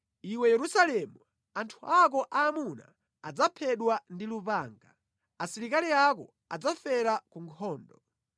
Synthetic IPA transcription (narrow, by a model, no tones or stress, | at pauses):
iwɛjɛɾusalɛmu | antʰuak̬ɔʔaːmuna̰ː | d͡zapʰɛɗwandilupaːŋɡa | asiɾikaliakɔ̰ | ad͡zafɛɾakuŋkʰɔːndɔ